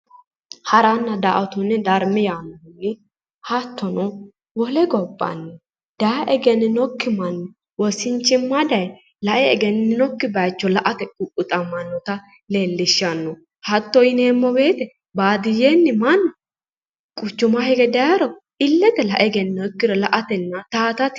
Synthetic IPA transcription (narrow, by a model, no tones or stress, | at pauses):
hɐɾɐnːɐd̪aʔɐt̪ʊnːɛd̪ɐɾmɛjaːnːɔhʊnːɪ | hɐt̪ːɔnɔ | wɔlɛɡɔbːɐ̰nːɛ | d̪̥aʔɛɡɛnːɪnɔkːɪmɐnːɛ | wɔsɪnt͡ʃːɪmːad̪ɐj | lɐʔɛɛɡɛnːɪnɔkːɪbɐjt͡ʃːɔlɐʔɐt̪ɛkʼʊkʼːʊt̪ʼɐmɐnːɔt̪ɐ | le̞ːlːɪʃːɐnːɔ | hɐt̪ːɔɪneːmːɔbe̞ːt̪ɛ | baːd̪ɪjeːnːɪmɐnːɔ | kʼʊt͡ʃːʊmahɛɡɛd̪ɐjɐɾɔ | ɪlːɛt̪ɛlɐʔɛɡɛnːɔkːɪdɔlɐʔɐt̪ɛnːɐt̪aːt̪ɐt̪